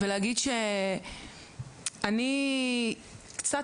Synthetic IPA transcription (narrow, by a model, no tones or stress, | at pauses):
eleaɡid̪ʃe | ani | kt͡sa